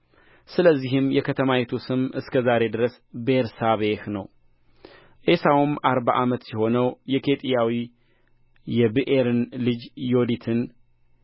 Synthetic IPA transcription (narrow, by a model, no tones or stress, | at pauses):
sɨləzːiɦɨmjɛkʰət̪ʰəmajet̪ʰusɨmʔɨskʰəzaɾe̞d̪ɨɾəs | beɾsaβehnəw | ʔesawumaɾbaʔamət̪siho̞nəwjɛkʰe̞t̪ʼijawi | jɛbɨʔeɾɨnlɨd͡ʒjo̞d̪it̪ʰɨn